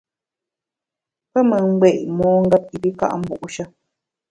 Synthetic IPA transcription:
pe˦mə̃˧ŋ͡mɡ͡be˨mõ˦ŋ˦ɡa˦p̚i˨bi˦ka̰˦ʔa̰˨m˦bu˨ʔu˦ʃa˦

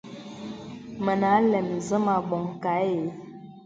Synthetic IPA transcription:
mə˨na˨˦lɛ˨m˨zə˦ma˨bɔ˨ŋka˨˦je˨˦

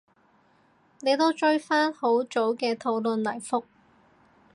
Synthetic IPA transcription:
ne˨˧jt̪o˥wt͡ʃɵ˥ɥfaː˥nho˨˥wt͡ʃo˨˥wkɛː˧t̪ʰo˨˧˥wlɵ˨nlɐ˨˩jfʊ˥k̚

